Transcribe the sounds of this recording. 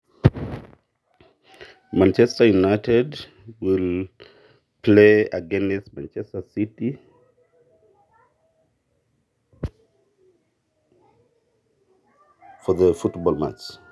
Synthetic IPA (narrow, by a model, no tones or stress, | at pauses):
mãnt͡ʃɛstəjunaɪtɛd | wil | pʰleaɡɛ̃nɛsmã̰nt͡ʃɛstəsiti | fɔðəfutbɔlma̰t͡ʃ